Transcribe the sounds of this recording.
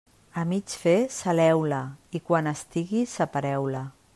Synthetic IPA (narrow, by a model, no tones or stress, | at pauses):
amit͡ʃfesalɛwlaikwanəst̪iɣisapaɾɛwla